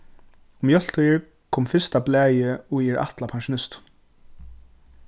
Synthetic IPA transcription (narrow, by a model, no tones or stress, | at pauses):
ʊmjœl̥t̪ɔjɪɹ | kʰɔmfɪst̪ablɛːjɪʊɛɹʔa̰ht̪lapʰaŋʃʊnɪst̪